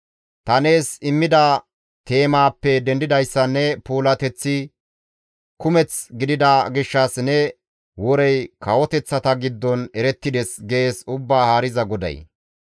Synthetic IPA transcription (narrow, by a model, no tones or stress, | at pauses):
t̪ɐne̞ːsɪmːɪd̪ɐ | t̪e̞ːmaːpːɛd̪ɛnd̪ɪd̪ɐjsːɐnːɛpuːlɐt̪ɛt͡sːɪ | kʊmɛt͡sɡɪd̪ɪd̪ɐɡɪʃːɐsnɛ | wɔɾɛjkɐwɔt̪ɛt͡sːɐt̪ɐɡɪd̪ːɔnɛɾɛt̪ːɪd̪ɛsɡeːsʊbːaːhaːɾɪzɐɡɔd̪ɐ̰j